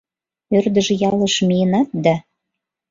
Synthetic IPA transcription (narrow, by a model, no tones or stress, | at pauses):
ørd̪ə̆ʒĕjɑlɤ̆ʃmienɑt̪̚d̪ɑ